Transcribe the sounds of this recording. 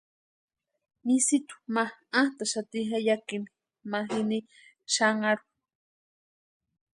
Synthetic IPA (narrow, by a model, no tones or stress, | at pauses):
misit̪u̥mahat̪aʃat̪ixajakini̥ | maɦini | ʃaŋaɾu̥